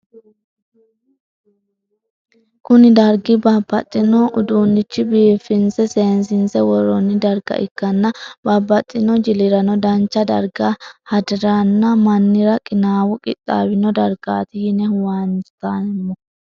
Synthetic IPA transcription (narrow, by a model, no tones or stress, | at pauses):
kʊnɪd̪ɐɾɡɪbabːɐt̪ʼːɪnɔʔʊd̪uːnːɪt͡ʃːɪbiːfɪnsɛse̞ːnsɪnsɛwɔɾɔnːɪd̪ɐɾɡɐ̰ʔɪ̰kːɐnːɐbɐbːɐt̪ʼːɪnɔd͡ʒɪlɪɾɐnɔd̪ɐnt͡ʃːɐd̪ɐɾɡahɐd̪ɪɾanːɐmɐnːɪɾɐkʼɪnaːwʊkʼɪt̪ʼːa̰ːwɪnɔd̪ɐɾɡ̥aːt̪ɪjɪnɛwant̪ːanmːɔ